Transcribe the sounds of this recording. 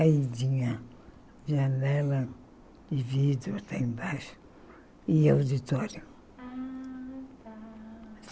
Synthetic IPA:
aid͡ʒiɲa | ʒanɛla | ivid̪eot̪ãĩbaʃu̥ | iawd̪it̪ɔɾju

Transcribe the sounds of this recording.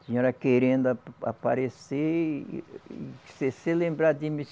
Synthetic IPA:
siɲoɾɐkeɾẽnd̪ʊaa̰pa̰ɾese | i̥sesɪlẽmbɾad̪imis

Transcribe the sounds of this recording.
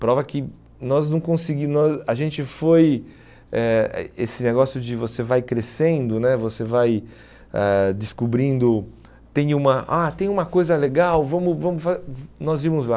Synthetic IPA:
pɾɔvɐkɪ | nɔznɐ̃w̃kõsɪɡinɔzɐʒẽnt͡ʃɪfoj | ɛɛ̰esɪneɡɔsjʊd͡ʒɪvosevajkɾesẽnd̪ʊnɛvosevaj | ɛd͡ʒɪskubɾĩnd̪ʊ | t̪ẽj̃ũmɐʔat̪ẽj̃ũmɐkojzɐleɡawvɐ̃mʊvɐ̃mʊfanɔziɾmʊzla

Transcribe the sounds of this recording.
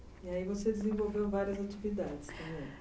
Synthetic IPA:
iaivosed͡ʒɪzẽvowvewvaɾiɐzat͡ʃivid̪ad͡ʒɪst̪ɐ̃bẽj̃

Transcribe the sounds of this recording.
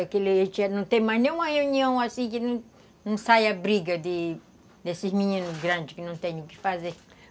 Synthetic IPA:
akeliet͡ʃɛnɐ̃w̃t̪ẽj̃maznẽj̃ũmɐʁeuniɐ̃w̃asĩkɪnɐ̃ | nɐ̃w̃sajɐbɾiɡɐd̪ɪ | d̪esizmiɲĩnuzɡɾɐ̃d͡ʒɪikɪnɐ̃w̃t̪ẽɲũkɪ̥faze

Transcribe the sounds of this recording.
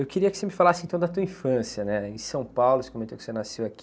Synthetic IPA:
ewkɪɾiɐkɪ̥semɪfalasɪẽt̪ɐ̃d̪ɐt̪uɐĩfɐ̃sjɐnɛẽsɐ̃w̃pawlʊsekomẽnt̪okɪ̥senasewaki

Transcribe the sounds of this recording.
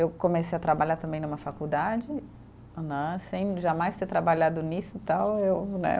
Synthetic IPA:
ewkõmesejɐt̪ɾabaʎaɾt̪ɐ̃bẽj̃nũmɐfakud̪ad͡ʒɪ̃ | nɐ̃sẽj̃ʒamajst̪eɾt̪ɾabaʎad̪ʊnisʊt̪awewnɛ̰

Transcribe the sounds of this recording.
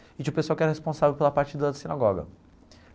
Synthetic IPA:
ɪd͡ʒiʊpesuawkɪɛɾhespõsavewpelɐpaɾt͡ʃid̪ɐd̪asinaɡɔɡɐ̰

